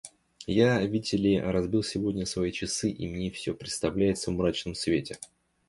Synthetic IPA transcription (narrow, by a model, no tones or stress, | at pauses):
javʲitʲɪlʲɪɾɐzbʲilˠsʲɪvo̞dʲnʲəsvɐit͡ɕɪsɨʔimnʲefsʲopɾʲɪt̪st̪ɐvlʲæjɪt̪səvmɾat͡ɕnəmsvʲetʲɪ